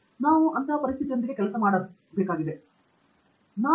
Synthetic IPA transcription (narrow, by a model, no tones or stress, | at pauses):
naːʋuʔɐnt̪ʰaɐpɐɾis̬t̪ʰit̪ijɐnd̪ɾiɡekɛlɐsɐmaːɽɐ | beːkaːɡid̪e | naː